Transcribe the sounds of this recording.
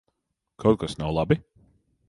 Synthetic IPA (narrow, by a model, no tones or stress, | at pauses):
kʰawt̪̚kasnawlˠabi